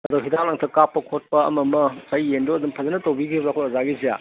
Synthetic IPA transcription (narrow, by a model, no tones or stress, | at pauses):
ɐduɦidaŋlaŋtʰɐkapːɐkʰot̚pɐɐ̰mɐmɐsɐjːendoɐdumpʰɐzɐnɐtɐwbiɡibɾakʰoɐzaɡizija̰